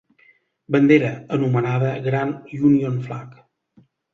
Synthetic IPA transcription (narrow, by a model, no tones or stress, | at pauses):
bənd̪eɾəənumənaðəɣɾaniunionflak